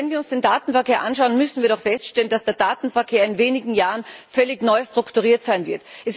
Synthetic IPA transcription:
ɛnviːɐʊnsd̥eːndaːtn̩fɛɐkʰeːɐʔanʃaʊənmʏsn̩viːɐɾɔχfɛstʃtɛlənd̥asd̥eːɐdaːtn̩fɛɐkʰeːɐɪnveːnɪɡŋ̩jaːʁənfœlɪçnɔʏstʁ̥ʊktuʁ̞iːɐtz̥aɪnvɪɐtʔɛs

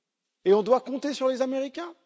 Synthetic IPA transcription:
eɔ̃d̪wakɔ̃t̪esyʁlezameʁikʲɛ̃

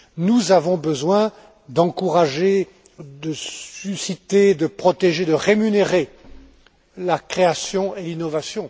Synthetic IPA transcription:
nuzavɔ̃bəzwɛ̃ | d̪ɑ̃kuʁaʒe | d̪əsysit̪ed̪əpχɔt̪eʒed̪əʁemyneʁe | lakχeasjɔ̃elinɔvasjɔ̃

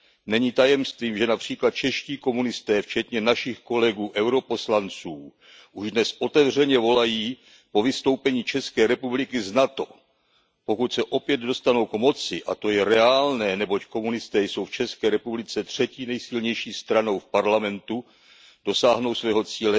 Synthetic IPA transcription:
nɛɲiːt̪ajɛmst̪viːmʒɛnapr̝̥iːklat̪̚t͡ʃɛʃciːko̞munɪst̪ɛːft͡ʃɛt̪ɲɛnaʃɪxko̞lɛɡuːʔɛwɾo̞po̞slant͡suː | ʔuʒdnɛsʔo̞t̪ɛvrɛɲɛvo̞lajiː | po̞vɪst̪o̞wpɛɲiːt͡ʃɛskɛːɾɛpublɪkɪznat̪o̞ | po̞kut̪sɛʔo̞pjɛd̪do̞st̪ano̞wkmo̞t͡sɪʔa̰t̪o̞jɛɾɛaːlnɛːnɛbo̞cko̞munɪst̪ɛːjso̞wft͡ʃɛskɛːɾɛpublɪt͡sɛt̪r̝̥ɛciːnɛjsɪlɲɛjʃiːst̪ɾano̞wfpaɾlamɛnt̪u | d̥o̞saːɦno̞wsvɛːɦo̞t͡siːlɛ

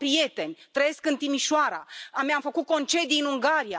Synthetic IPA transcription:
pɾije̞t̪e̞nʲt̪ɾəje̞skɨnt̪imiʃoaɾaamamfəkut̪̚ko̞nt͡ʃe̞d̪ijɨnuŋɡaɾija

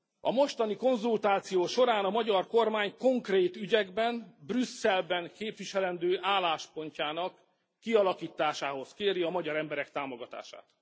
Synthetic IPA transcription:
ɒ̰mo̞ʃt̪ɒniko̞nzult̪aːt̪sijoːʃo̞ɾaːnɒmɒɟɒrko̞rmaːɲko̞ŋkreːt̪yɟɛɡbɛnbrysːɛlbɛŋkeːpʋiʃɛlɛnd̪øːʔaːlaːʃpo̞ɲcaːnɒkː | iɒlɒkiːt̪aːʃaːɦo̞skeːɾiɒmɒɟɒɾɛmbɛɾɛkt̪aːmo̞ɡɒt̪a̰ːʃa̰ːt̪

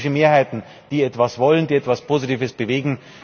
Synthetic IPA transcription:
ʃəmeːɐhaɪtn̩ | d̥iːɛtv̥asv̥ɔləndiːɛtv̥aspʰoːzitiːvəsb̥əveːɡŋ̩

